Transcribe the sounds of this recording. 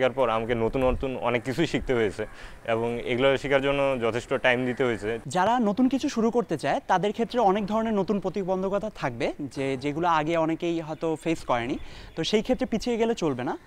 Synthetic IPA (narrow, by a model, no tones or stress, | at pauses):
kaɾpɔɾamakenot̪unɔt̪unɔ̰nekːit͡ɕʰujʃik̚t̪eɦojet͡ɕʰe | eboŋḛɡulaʃikaɾd͡ʑonːod͡ʑɔt̪ʰeʃʈoʈajmd̪it̪eɦojet͡ɕʰed͡ʑaɾanot̪unkit͡ɕʰuʃuɾukoɾt̪et͡ɕaet̪ad̪eɾkʰet̪ːɾeɔnek̚d̪ʱɔɾoneɾnot̪unpɾot̪ibɔnd̪ʱokɔt̪ʰat̪ʰak̚bed͡ʑed͡ʑeɡulaaɡeɔnekejɦɔet̪ofeskɔenit̪oʃejkʰet̪ːɾepit͡ɕʰieɡelet͡ɕolbena